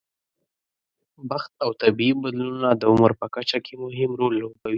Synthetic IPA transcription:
baxt̪̚awt̪abiibad̪lunnad̪əʊməɾpəkat͡ʃakʰemʊɦɪmɾolːobawi

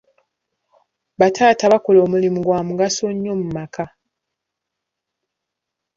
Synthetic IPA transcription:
βatʰaːtaβako̞lo̞ːmulimuɡwaːmuɡaso̞ɲːo̞mumakʰa

